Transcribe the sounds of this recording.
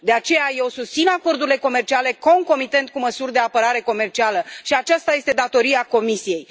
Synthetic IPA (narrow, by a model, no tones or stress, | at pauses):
d̪e̞at͡ʃe̞jaje̞wsust̪sinako̞rd̪uɾile̞ko̞me̞rt͡ʃiale̞ko̞ŋko̞mit̪e̞nt̪̚kuməsurʲd̪e̞apəɾaɾe̞ko̞me̞rt͡ʃialəʃiat͡ʃast̪aje̞st̪e̞d̪at̪o̞ɾiako̞misije̞j